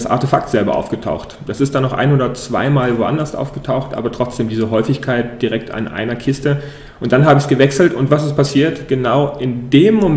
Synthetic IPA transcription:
sʔa̰ɐtefak̚tz̥ɛlbɐ̰ʔa̰ʊfɡ̥ətʰa̰ʊxtd̥asɪstd̥aːnɔχʔa̰ɪnoːdɐt͡sv̥a̰ɪmaːlvoːʔa̰ndɐsʔa̰ʊfɡ̥ətʰaʊxtʔa̰ːbɐtʁ̥ɔt͡sd̥eːmdiːzəɦɔʏfɪçkʰaɪt̚d̥iʁɛk̚tʰa̰nʔa̰ɪnɐkʰɪstə | ʔʊnt̚d̥anɦaːbəɪçsɡ̥əvɛksl̩tʊntv̥asɪst̚pʰasiːɐtɡ̥ənaʊɪndeːmːo

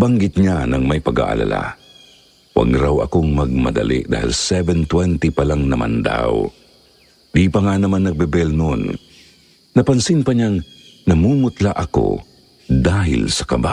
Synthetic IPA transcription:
baŋɡɪt̪̚ɲanɐŋmɐjpɐɡa̰ʔa̰la̰la̰ | wɐ̰ɡɾawɐ̰koŋmɐɡ̚mɐd̪ɐ̰lḭʔd̪a̰ːhḭlsɛvɛnt̪wɛnt̪ipɐlaŋnɐma̰nd̪a̰w | d̪ipɐŋanɐmanːɐɡ̚bɛbɛlnonː | ɐpɐnsɪnpɐɲaŋ | nɐmuːmʊt̪laʔɐko̰ | d̪aːɦɪ̰lsɐ̥kɐba

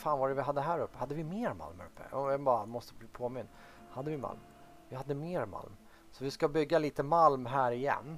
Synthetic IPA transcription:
faːnvaɖɛvɪɦad̪ːəɦæːɾɵpːə̥had̪ːəvɪmeːɾma̰lmɾɵpːə̰ɔjɑɡbɑːɾamɔst̪əbliːpʰoːmɪnː | had̪ːəvɪma̰lm | vɪhad̪ːəmeːɾma̰lm | sɔvɪskabʏɡːaliːt̪əmalmɦæːɾɪjɛ̰nː

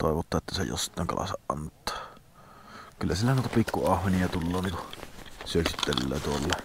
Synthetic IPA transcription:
t̪o̰ˑeʋot̪ːɑʔʔet̪ːæsḛjo̰sːi̥t̪ːˑæˑŋkɑ̰lʔɑ̰sɑʔʔɑ̰nt̪ːˑɑ̥ː | kylːæsilːænuˑet̪ɑpikːuɑhʋeniɑt̪ulːoːnniːkusyøksit̪ːel̰lːˑæ̰ːt̪uolːe

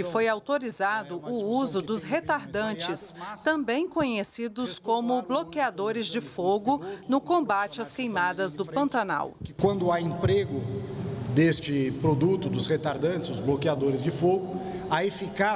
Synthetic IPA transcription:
ɪfojawt̪oɾizad̪ʊʔʊuzʊd̪ʊsɦet̪aɾd̪ɐ̃t͡ʃɪst̪ɐ̃bẽj̃kõɲesid̪ʊskõmʊblokiad̪oɾɪzd͡ʒɪfoɡʊnʊkõbat͡ʃɪɐskejmad̪ɐzd̪ʊpɐ̃nt̪ana̰wkwɐ̃nd̪ʊaẽpɾeɡʊ | d̪est͡ʃɪpɾod̪ut̪ʊd̪ʊshet̪aɾd̪ɐ̃t͡ʃɪzʊzblokiad̪oɾɪzd͡ʒɪfoɡʊ | aefika

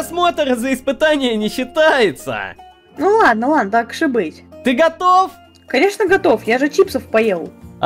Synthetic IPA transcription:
smo̞t̪əɾəzəɪspɨt̪anʲɪjənʲɪɕːɪt̪ajɪt̪sə̰ | nulˠad̪̚nəlˠad̪nət̪akʂɨbɨtʲt̪ɨɡɐt̪of | kɐnʲe̞ʂnəɡɐt̪o̞fjaʐɨt͡ɕipsəfpɐjellˠ

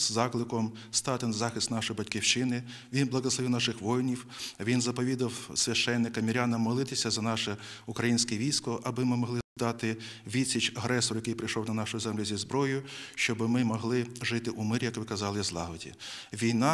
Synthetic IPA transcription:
zɑklˠɪkɔm | st̪ɑt̪ɪnzɑxɪst̪nɑʃɔjbɐtʲkʲiwt͡ʃɪnɪ | ʋʲinblˠɐɦɔslˠɔʋiwnɑʃɪxʋɔjnʲiwʋʲinzɐpɔʋʲid̪ɐwsʲʋʲɐʃt͡ʃɛnːɪkɐmʲiɾʲɑnɐmɔlˠɪt̪ɪsʲɐzɐnɑʃɛukɾɐjinʲsʲkɛʋʲijsʲkɔʔɐbɪmɪmɔɦlˠɪd̪ɑt̪ɪ | ʋʲisʲit͡ʃɐɦɾɛsɔɾjɐkɪjpɾɪjʃɔwnɐnɑʃʊjʊzɛmlʲʊzʲizbɾɔjʊʃt͡ʃɔbɪmɪmɔɦlˠɪʒɪt̪ɪʔumɪɾʲjɐkʋɪkɐzɑlˠɪzlˠɑɦɔdʲḭ | ʋʲijnɑ

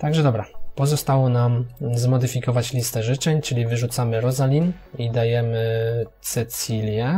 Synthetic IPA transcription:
t̪aɡʐɛd̪ɔbɾapɔzɔst̪awɔnamzmɔd̪ɘfʲikɔvat͡ɕlʲist̪ɛʐɘt͡ʂɛɲt͡ʂɘlʲivɘʐut̪samɘɾɔzalʲin | id̪ajɛmɘt̪sɛt̪sʲilʲjɛ

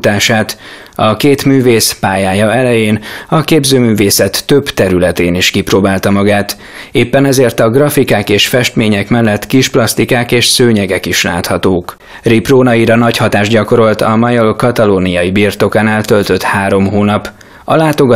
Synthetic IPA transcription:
t̪aːʃaːt̪ | ɒkeːt̪myːveːspaːjaːjɒɛlɛjeːnɒkeːbzøːmyːveːsɛt̪ːøbt̪ɛɾylɛt̪eːniʃkiproːbaːlt̪ɒmɒɡaːt̪ | eːpːɛnɛzeːrt̪ɒɡrɒfikaːkeːʃfɛʃt̪meːɲɛkmɛlːɛt̪kiʃplɒst̪ikaːkeːʃsøːɲɛɡɛkiʃla̰ːt̪hɒt̪oːk | riproːnɒiɾɒnɒchɒt̪aːʒɟɒko̞ɾo̞lt̪ɒmɒjolkɒt̪ɒloːnijɒjibirt̪o̞kaːnalt̪ø̞lt̪ø̞t̪haːɾo̞mɦoːnɒp | ɒlaːt̪o̞ɡɒ

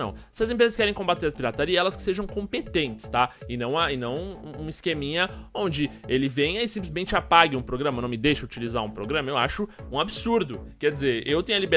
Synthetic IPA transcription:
ɐ̰̃w̃sɪɐzẽp̬ɾezɐskɛɾẽj̃kõbat̪eɾɐspiɾat̪aɾiɛlɐskɪ̥seʒɐ̃w̃kõpet̪ẽnt͡ʃɪ̥st̪aɪnɐ̃w̃ɐɪnɐ̃w̃ũiskemĩɲɐõnd͡ʒɪelɪvẽj̃ɐisĩplɪzmẽnt͡ʃɪapaɡɪũpɾoɡɾɐ̃mɐnɐ̃w̃mɪd̪ejʃɐut͡ʃilizaɾũpɾoɡɾɐ̃mɐewa̰ʃʊũabɪsuɾd̪ʊkɛɾd͡ʒɪzeɾewt̪ẽɲ̃ɐlibe

